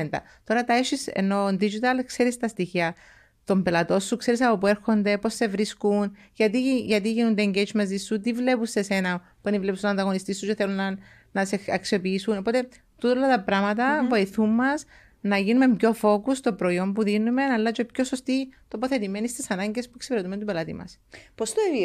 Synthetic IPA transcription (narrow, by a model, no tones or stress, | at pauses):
nt̪ɐ̰ | t̪o̞ɾɐt̪ɐeʃisḛnːo̞nd̪id͡ʒit̪ɐlkse̞ɾist̪ɐst̪içiɐ | t̪o̞mbe̞lɐt̪o̞sːukse̞ɾisɐpo̞pue̞ɾxo̞nd̪e̞po̞sːe̞vɾiskun | ʝɐt̪iʝɐt̪̬iʝinund̪eːɲɟed͡ʒmɐzisːut̪ivle̞puse̞se̞nɐ | puenivlepusoɐnd̪ɐɣo̞nist̪isːut͡ʃeθe̞lunːɐ | nɐseɐksiopiisuno̞po̞t̪e̞ | t̪ut̪olɐt̪ɐpɾɐmɐt̪̬ɐvo̞iθumːɐs | nɐʝinume̞mpço̞fo̞kust̪opɾo̞iombuðinume̞nɐlːɐt͡ʃopço̞sost̪it̪o̞poθe̞t̪ime̞nist̪isɐnɐɲɟe̞spueksi̥peɾet̪ume̞nt̪upelɐt̪ḭmɐ̰spost̪o